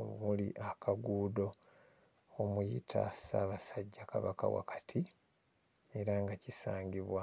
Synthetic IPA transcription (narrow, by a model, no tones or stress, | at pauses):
omulḭʔakʰaɡuːdo̞ | omujḭtʰa̰saːβasaɟːakaβaka̰wa̰kʰḁtʰi | e̞ɾaŋɡacisaːɲɡiβwa